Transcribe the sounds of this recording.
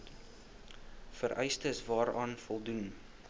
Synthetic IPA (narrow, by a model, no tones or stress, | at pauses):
fəɾʔɛ̰jstəsvɑːɾɑːnfɔlˠdun